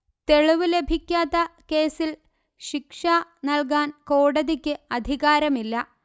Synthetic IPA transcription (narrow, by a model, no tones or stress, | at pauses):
t̪e̞ɭiʋɨle̞bʱikʲːaːt̪ːɐke̞ːsil | ɕikʂanɐlk̬aːnko̞ːɽɐðikʲːɨɐd̪ʱiɣaːɾɐmilːɐ